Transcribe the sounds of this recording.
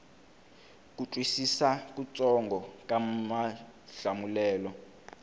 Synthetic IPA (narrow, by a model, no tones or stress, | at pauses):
kutʼwisisakut͡sʼɔŋɡɔkamaɬamulɛːlɔ